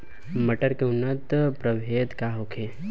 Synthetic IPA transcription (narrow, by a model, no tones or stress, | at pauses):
mɐʈəɾkeʊnːət̪pɾəbʱeːd̪kaːɦokʰe